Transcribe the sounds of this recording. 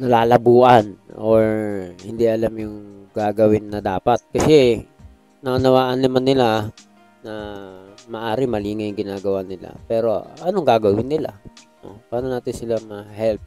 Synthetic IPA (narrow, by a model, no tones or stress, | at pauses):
nɐlaːlɐbuːʔɐnʔoɹhɪnd̪iʔɐlamjʊŋɡ̥aːɡɐwɪnːɐd̪aːpɐt̪̚kɐsɛ | nɐʔɐnɐwaːʔɐnːɐmanːɪla | nɐ | mɐʔaːɾɪmɐliːŋɐjʊŋɡɪnaːɡɐwanɪla̰pɛːɾo̞ʔɐnoŋɡaːɡɐwɪnːɪla̰ | o̰paːnonaːt̪ɪnsɪlamɐhɛlp̚